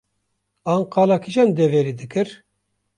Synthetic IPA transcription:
ɑːnqɑːlɑkʰiʒɑnd̪eveɾid̪ɨkɨɾ

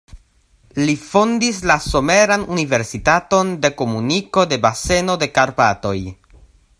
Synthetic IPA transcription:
lifondislaso̞me̞ɾanunive̞ɾsitato̞nde̞ko̞muniko̞de̞base̞no̞de̞kaɾpato̞̰j

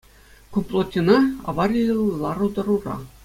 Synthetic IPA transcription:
kuplˠot̪ʲinɑɑ̰ʋɑrʲillˠɑɾud̪ɤ̆ɾurɑ̰

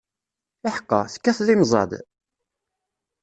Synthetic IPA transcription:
aħqːɑ̰θə̥kːæθlimzˤɑ̰d̪

